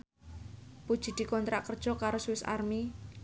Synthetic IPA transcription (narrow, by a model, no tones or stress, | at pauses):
pud̥ʒ̥i̤d̪̥i̤kɔnt̪ɾaʔkərd̥ʒ̥ɔ̤kaɾosuwɪsa̰rmi